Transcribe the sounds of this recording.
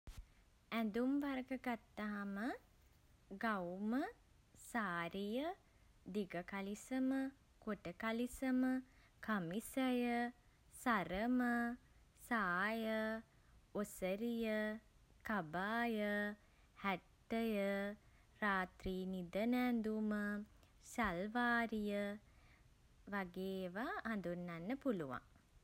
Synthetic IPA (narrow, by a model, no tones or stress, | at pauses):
ænd̪umʋaɾəɡəɡat̪ːaɦamə | ɡawmə | saːɾijə | d̪iɡəkalisəmə | koʈəkalisəmə | kamisəjə | saɾəmə | saːjə | osəɾijə | kabaːjə | hæʈːəjə | raːt̪riːnid̪ənænd̪umə | salʋaːɾijə | ʋaɡeːʋaʔːnd̪unːanːəpuluʋa̰ŋ